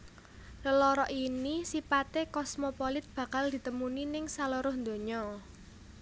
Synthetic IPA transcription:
ləlɔɾɔʔinisipat̪ekɔsmɔpɔlɪt̪̚b̥ä̤kald̪̥i̤t̪əmuninɪŋsaloɾʊhnd̪o̤ɲɔ

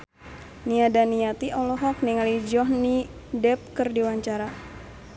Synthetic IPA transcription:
niadanijat̪iʔɔlɔɦɔk̚niŋalid͡ʒɔhni | dɛp̚kərdiwaɲt͡ʃaɾa

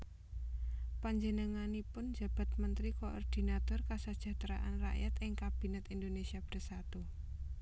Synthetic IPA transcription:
paɲd͡ʒənəŋanipʊnd͡ʒä̤b̥a̤t̪̚mənt̪ɾikoʔɔ̰rd̪̥i̤nat̪ɔrkasəd̥ʒ̥ä̤t̪ɾaʔa̰nra̰ʔjat̪ɪŋkab̥i̤nɛt̪ind̪onesiab̥ərsat̪u

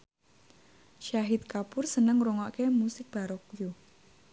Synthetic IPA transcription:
ʃaɦɪt̪̚kapʊrsənəŋɾoŋɔʔkemusɪk̚b̥a̤ɾɔkuju

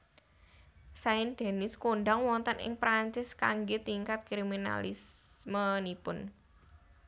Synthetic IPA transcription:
saɪnd̪̥e̤nɪskonɖaŋwɔnt̪ənɪ̰ŋpɾaɲt͡ʃɪskaŋɡet̪iŋkat̪̚kɾimina̰lɪ̰smənipʊn

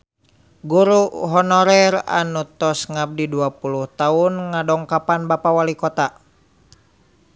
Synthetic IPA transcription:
ɡuɾuɦɔnɔɾɛra̰nut̪ɔsŋab̚diduapuluht̪aunŋadɔŋkapanbapawalikɔt̪a

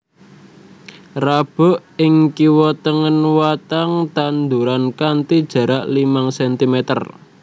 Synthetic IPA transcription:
rab̥ɔ̤ʔɪŋkiwɔt̪əŋənwat̪aŋt̪and̪uɾankant̪id̥ʒ̥ä̤ɾaʔlimaŋsɛnt̪imet̪ə̰r

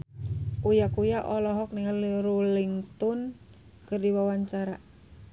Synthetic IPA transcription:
kujakujaʔɔlɔɦɔk̚nɛliɾuliŋst̪ɔn | kɨrdiwawaɲt͡ʃaɾa

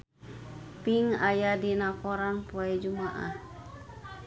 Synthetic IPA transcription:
piŋajadinakɔɾaŋpuɛd͡ʒumaʔa̰

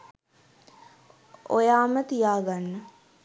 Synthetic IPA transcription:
o̰jaːmət̪ijaːɡanːə

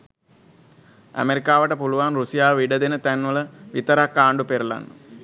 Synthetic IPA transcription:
æ̰meɾikaːʋəʈəpuluʋanrusijaːʋiɖəd̪enət̪ænʋələʋit̪əɾakːaːɳɖupeɾəla̰nːə̰

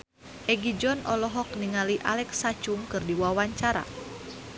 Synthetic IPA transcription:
ʔɛɡid͡ʒɔnɔlɔɦɔk̚niŋaliʔalɛksat͡ʃuŋkɨrdiwawaɲt͡ʃaɾa̰

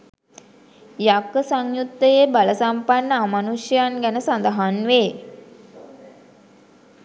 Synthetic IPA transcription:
jakəsaŋjut̪ːəjebaləsampanːəamanuʃjəjanɡænəsand̪əɦanʋeː

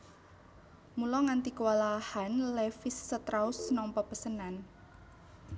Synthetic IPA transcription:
mulɔŋant̪ikəwalahanlefɪsːət̪ɾausnɔmpɔpəsənan

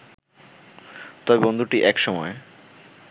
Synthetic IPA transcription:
t̪ɔbebond̪ʱuʈiʔɛkʃɔmɔe

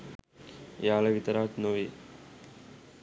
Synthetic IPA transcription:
jaːlɐʋit̪ɐɾaːt͡ʃnoʋi

